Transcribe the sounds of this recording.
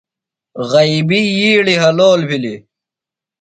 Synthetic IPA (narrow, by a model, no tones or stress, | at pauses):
ɣɐibijiːɽiɦɐloːlpʰili